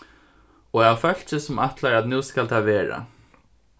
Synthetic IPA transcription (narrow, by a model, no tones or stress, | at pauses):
ɔːafœl̥t͡ʃɪsʊmaht̪laɾat̪nuːskalt̪ʰaʋeːɹa̰